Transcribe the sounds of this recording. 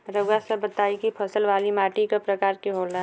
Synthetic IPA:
ɾəɡasəbət̪aːikipʰəsəlʋaːlimaːʈikapɾɐkaːɾkiɦoːlaɦ

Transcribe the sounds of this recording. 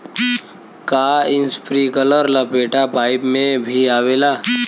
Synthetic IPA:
kaːɪ̃nspʰɾiːkələɾlabeːʈapaːɪpmẽbʱiaːʋeːlaː

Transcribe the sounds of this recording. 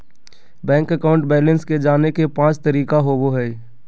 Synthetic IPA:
bɛ̃ːŋkəkaːʊ̃ɳʈbɛːlənsked͡ʒaːnekepãːt͡ʃt̪əɾiːkaɦoboɦɛː

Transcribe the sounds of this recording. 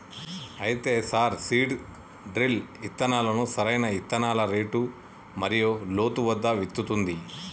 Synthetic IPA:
ɐjt̪e̞ːsaːɾsiːɖ | ɖɾilit̪ːɐnaːlɐnusɐɾɐjnɐit̪ːɐnaːlɐɾeːʈu | mɐɾijoːlo̞ːt̪uʋɐd̪ːɐʋit̪ːut̪und̪i

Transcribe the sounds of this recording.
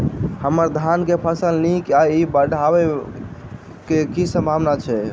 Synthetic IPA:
həməɾd̪ʱankepʰəsəlnikaibəɽʱaβe | kekisə̃mbʱaʋnat͡ʃʰɛ

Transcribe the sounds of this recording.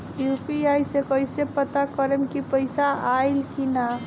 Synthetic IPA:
jupiajsekəjsepət̪akəɾəmkipəɪsaajlkina

